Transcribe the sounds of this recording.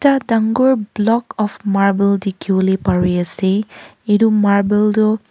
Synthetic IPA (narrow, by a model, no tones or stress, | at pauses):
tadaŋɡɔɹblɔkɔpʰmaɹbɛldikʰibɔlepaɹijaseedumaɹbɛldɔ